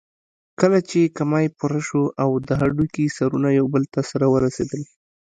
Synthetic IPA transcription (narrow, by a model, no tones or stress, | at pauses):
kəlat͡ʃekamɑjpʊɾaʃoʔawd̪əɦaɖukisaɾunajawbəlt̪asaɾawəɾased̪əl